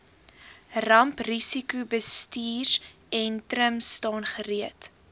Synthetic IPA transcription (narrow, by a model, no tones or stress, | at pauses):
rɐmprisikubəstiːr | ɛntrəmstɑːnχəriət